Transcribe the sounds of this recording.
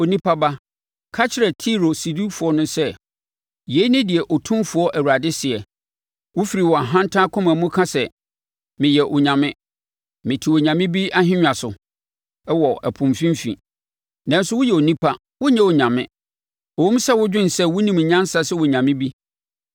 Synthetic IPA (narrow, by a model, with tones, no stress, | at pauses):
o˨nĩ˦pʰa˦ba˦ | kʰa˦t͡ɕʰɪ˦ɾɛ˨tʰi˦ɾo˨si˨du˦fʊ˨ɔ˦nʊ̃˦sɛ˦ | je˨˦i˦nɪ̃˦dɪ˨ɛ˨ʔo˨tʰʊ̃˦mfʊ˨˦ɔ˦ʔæ˨wu˨ɾa˨dɪ˦sɪ˨ɛ˨ | wʊ˦fi˨ɾi˨wɔ˨a˨ɦã˦n˦tʰã˦kʰʊ̃˦mã˨mũ˦kʰã˦sɛ˨ | mɪ̃˨jɛ˨ʔʊ˨ɲã˨mɪ̃˦ | mɪ̃˨tʰi˨wo˨ɲã˨mɪ̃˦bi˦a˦ɦɪ̃˦ɲᶣã˨sʊ˨ | ɛ˦wɔ˨ʔæ˨pʰʊ̃˨mfĩ˦m˦fḭ̃˨ | nã˨n˦sʊ˦wʊ˦jɛ˨o˨nĩ˦pʰa˦ | wʊ˦ɲã˦ʊ˨ɲã˨mɪ̰̃˦ | ɔ˨ũ˦m̩˦sɛ˦wʊ˦d͡ʑᶣɪ̃˦n̩˨sɛ˦wʊ˦nĩ˨m˨ɲã˦sa˦sɛ˦wʊ˨ɲã˨mɪ̃˦bi˦